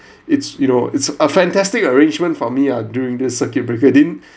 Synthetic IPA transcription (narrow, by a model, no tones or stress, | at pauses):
ɪtsjunoɪtsəfɛ̃ntɛstɪkəɹẽnd͡ʒmə̃ntfɔmiadjuɹĩŋdɪsːəkɛt̚bɹekədɛ̃n